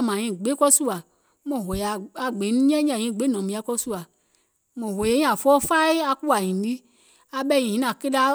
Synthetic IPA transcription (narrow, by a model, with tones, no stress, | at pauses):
mã˨ɲĩ˦˨ɡ͡be˦kɔ˦su˦a˨ | mɔ̃˨ɦo˨ja˨a˨ɡ͡be˨˦nũ˦ɲ˦ɛ̃˦ɲ˦ã˨ɲĩ˦˨ɡ͡be˨˦nɔ̃˨mĩ˨˧˦a˨˦kɔ˦su˦a˨ | mɔ̃˨ɦo˨je˦ɲĩ˦a˨fɔ˦fa˦i˦a˧ku˦a˨ɲĩ˨di˦ | a˨ɓɛ˦ɲĩ˨ĩ˦nã˨ke˦da˦